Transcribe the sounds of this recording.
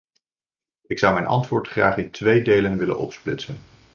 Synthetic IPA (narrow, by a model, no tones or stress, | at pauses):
ɪksʌwmɛjnʔɑ̰ntʋʊːɹtχraːχɪntʋejdejlənʋɪlə̰nʔɔ̰psplɪtsən